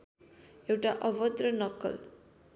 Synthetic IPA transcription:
ewʈaʔɔbɔd̪ɾʌnʌkɔ̰l

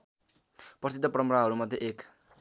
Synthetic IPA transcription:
pʌsit̪ːʌprʌmɾaɦʌɾumʌd̪ʱjeʔek

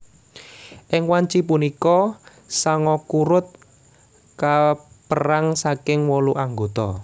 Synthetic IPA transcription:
ʔɪŋwaɲt͡ʃipunikɔ | saŋɔkuɾʊt̪̚ | ka | pəɾaŋsakɪŋwɔluʔaŋɡot̪ɔ

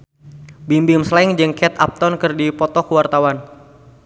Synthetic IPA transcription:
bimbɪmslaɪŋd͡ʒɨŋkɛt̪a̰p̚t̪ɔnkɨrdipɔt̪ɔkəwart̪awan

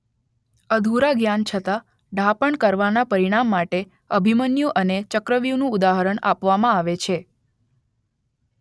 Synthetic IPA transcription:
əd̪ʱuɾaɡjant͡ʃʰət̪a | ɖʱapəɳkəɾʋanapəɾiɽ̃amːaʈe | əbʱimənjuʔənet͡ʃəkɾəʋjunũud̪aɦəɾəɳa̰pʋamãaʋet͡ʃʰe

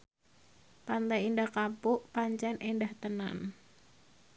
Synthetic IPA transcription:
pant̪ajindakapuʔpaɲt͡ʃɛnʔɛndaht̪əna̰n

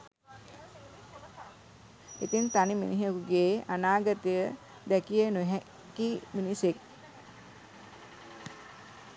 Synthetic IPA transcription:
it̪int̪animḭniɦəkuɡeːanaːɡət̪ijə | d̪ɛkiənuɦɛ | kiminisek̚

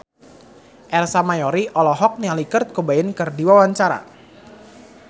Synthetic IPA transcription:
ʔɛrsamajɔɾiʔɔlɔɦɔk̚nialikərt̪̚kubaɪnkɨrdiwawaɲt͡ʃaɾa̰

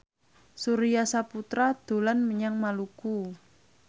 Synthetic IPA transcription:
suɾiasaput̪ɾad̪̥o̤lanməɲaŋmaluku

